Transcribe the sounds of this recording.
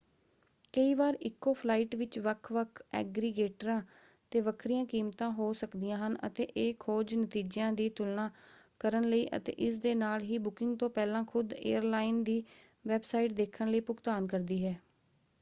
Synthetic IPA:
kəiːʋaːɾɪkːoːpʰlaːiːʈʋɪt͡ʃʋəkʰʋəkʰɛ̰ːɡɾiɡeːʈəɾãː | t̪eːʋəkʰɾijãːkiːmt̪ãːɦoːsəkd̪ɪjãːɦənə̰t̪eːʔeːkʰoːd͡ʒnət̪iːd͡ʒãːd̪iːt̪ʊlnaːkəɾənləiːʔə̰t̪ḛːʔɪsd̪eːnaːlɦiːbʊkɪŋɡt̪õːpɛːlãːkʰʊd̪ḛːəɾlaːɪnd̪iː | ʋɛːbsaːɪʈ̚d̪eːkʰənləiːpʊkt̪aːnkəɾd̪iːɦɛː

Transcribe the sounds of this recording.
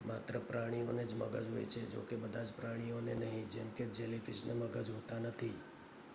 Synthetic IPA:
mat̪ɾəpɾaɽ̃ijoned͡ʒməɡəd͡ʒɦo̰jt͡ʃʰed͡ʒo̰kebəd̪ʱad͡ʒpɾaɽ̃ionenəɦĩd͡ʒɛmked͡ʒelifɪʃneməɡəd͡ʒɦot̪anət̪ʰi

